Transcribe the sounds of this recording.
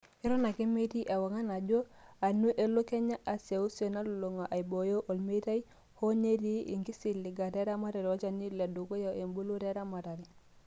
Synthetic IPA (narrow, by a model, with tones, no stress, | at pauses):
i˦ɾo˦na˨ke˦me˦ti˦ʔe˨wa˨ŋa˦na˨ɟo˦a˨nu˦ʔe˨lu˦ke˦ɲa˦ʔa˨se˨u˦so˨na˦lu˨lo˨ŋa˨ʔa˨jbo˨jo˦ʔo˨lme˦ta˦ji˦ | ho˦ɲe˦ti˦ḭ˨ŋki˦si˨lːi˨ɡa˨te˦ɾa˦ma˦ta˨ɾi˨wa˦t͡ʃa˨ni˦le˨du˨ko˦ja˨e˨mbu˦lu˦te˦ɾa˦ma˨ta˨ɾi˨